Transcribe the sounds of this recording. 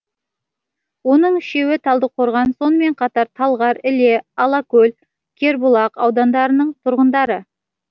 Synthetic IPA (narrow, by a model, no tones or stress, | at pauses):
wo̞nəɴɪʃe̞wɪt̪ʰɑlˠd̪əqʰo̞ɾʁɑnso̞nəme̞ɴqʰɑt̪ɑɾt̪ʰɑlˠʁɑɾɪle̞ɑlˠɑkɵl | kʲʰe̞ɾbʊlˠɑqɑwd̪ɑnd̪ɑɾənəɴt̪ʰʊɾʁənd̪ɑɾə